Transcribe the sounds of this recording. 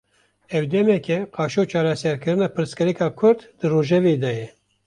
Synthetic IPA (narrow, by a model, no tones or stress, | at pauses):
ɛwd̪ɛmɛkʲɛqɑːʃoːt͡ʃʰɑːɾɛsɛɾkʰɨɾɨnɑːpʰɨɾskɨɾikɑːkʰʊɾd̪d̪̥ɨroːʒɛveːd̪ɑjɛ